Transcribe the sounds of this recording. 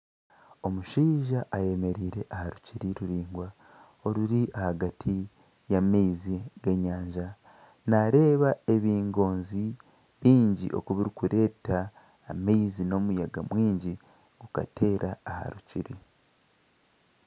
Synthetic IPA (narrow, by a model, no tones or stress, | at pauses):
o̞muʃiːʒaʔːje̞me̞ɾiːɾe̞ʔahaɾuciɾiɾuɾiːŋɡwa | o̞ɾuɾiʔahaɡatʰi | jameiziɡeɲaːɲʒa | naɾe̞ːβae̞βiːŋɡo̞ːnzi | βiːɲɟḭʔo̞̰kuβiɾikuɾe̞ːtaː | meizino̞mujaɡamwiːɲɟi | ɡuka̰te̞ːɾʔaːha̰ɾuciɾi